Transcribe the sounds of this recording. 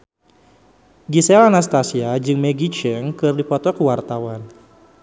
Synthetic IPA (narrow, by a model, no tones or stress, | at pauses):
ɡisɛlanast̪asiad͡ʒɨŋmɛɡit͡ʃɛŋkɨrdipɔt̪ɔkəwart̪awan